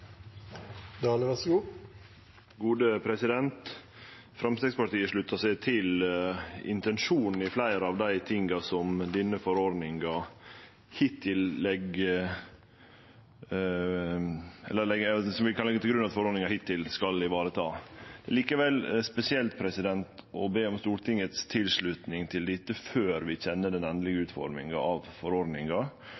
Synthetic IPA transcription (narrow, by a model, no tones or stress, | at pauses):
d̪ɑːləʋæsɡuː | ɡuːd̪əpʰɾɛsɪd̪ɛnt̪ | fɾɑmst̪ɛɡspɑʈiːəʂɭʉt̪ʰːəsæɪt̪ʰɪl | ɪ̰nt̪ɛnʂuːnn̩ɪflæɪɾɑʋd̪æɪt̪ʰɪŋɡɑsɔmd̪ɪnːəfɔɾoɖ̪nɪŋɑ | hɪt̪ʰːɪlːɛɡə | ɛ̰lːəlɛɡsɔmʋɪkʰɑnɛɡət̪ɪlɡɾʉnɑt̪fɔɾoːd̪nɪŋɑhɪt̪ːɪlskɑld̪ɪʋɑːɾət̪ʰɑːd̪̥ɛæliːkəʋɛlspɛsɪɛlt̪̚pʰɾɛsɪd̪ɛnt̪ɔbeːɔmst̪uːɾʈ̪ɪŋət̪st̪ʰɪlʂɭʉt̪nɪŋt̪ʰɪld̪ɪt̪ːəføːɾʋɪçɛnːəd̪ɛnɛnd̪lɪɡəʉːt̪fɔ̰ɾmɪ̰ŋɑɑʋfɔɾoːɾd̪nɪŋɑ